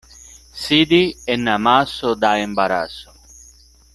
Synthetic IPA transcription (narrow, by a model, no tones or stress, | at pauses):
sid̪iɛnːamasʊd̪aembaɾa̰sʊ̥